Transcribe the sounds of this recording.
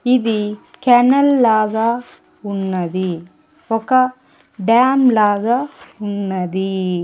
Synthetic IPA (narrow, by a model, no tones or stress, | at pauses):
id̪ikɐnɐlːaːɡɐ | unːɐd̪i | ɔkɐ | ɖaːmlaːɡɐunːɐd̪i